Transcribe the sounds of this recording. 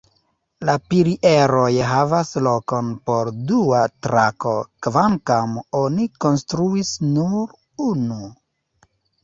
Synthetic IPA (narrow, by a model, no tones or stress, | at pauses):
lapiɾiʔeɾo̞jɦavaslo̞ko̞npo̞ɾduatɾa̰ko̞̰kvaŋkamo̞niko̞nstɾuisnuɾ | unu